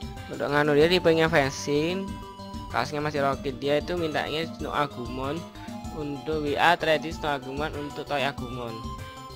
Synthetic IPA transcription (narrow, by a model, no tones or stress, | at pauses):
unt̪ʊ̰ʔŋanudiadipəŋefɛnsɪn | ka̰sɲamasɪhɾɔkidiait̪umint̪a̰ʔŋesno̰ʔaɡ̥umɔn | unt̪ʊʔwiʔat̪ɾɛd̪isnoaɡumanunt̪ʊk̚t̪ɔiaɡ̥umɔn